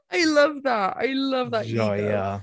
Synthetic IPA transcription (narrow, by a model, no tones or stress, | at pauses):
aɪlʌvðæt̚a̰ɪlʌvðətojæ